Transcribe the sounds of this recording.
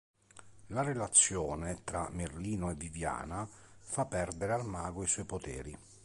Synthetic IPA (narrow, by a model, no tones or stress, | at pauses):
larelat̪sːjɔːnet̪ɾa̰merliːnoɛvːivja̰ːnafapːɛrd̪eɾealmaːɡoisɔjpot̪ɛ̰ːɾi